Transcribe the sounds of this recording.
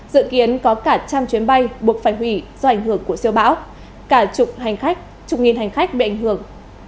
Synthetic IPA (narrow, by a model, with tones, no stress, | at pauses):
zɨ̰˧˨ki˨˦ənkɔ˨˦kaː˧˩t͡ɕaː˧mt͡ɕwi˨˦ənɓa˧jɓu˨˩ək̚faː˧˩jɦwi˧˩zɔ˧ʔa˧˩jŋ̟hɨ˧˩əŋku˧˩əsəwɓa̰ː˧˥w | kaː˧˩˨ | t͡ɕʊ˨˩k͡p̚ŋi˨˩nɦa˨˩jŋ̟xa˦˥k̚ɓḭ˨ʔa˧˩jŋ̟hɨ˧˩əŋ